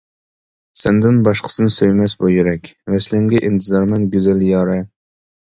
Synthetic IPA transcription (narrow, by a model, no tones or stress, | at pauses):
sɛnd̪ɪnbɑʃqʰə̥sɨnɪsøjmɛsbojiɾɛkʲvɛslɪŋɡʲɛʔint̪ʰɨzɑɾmɛnɡʲyzɛljɑːɾɛ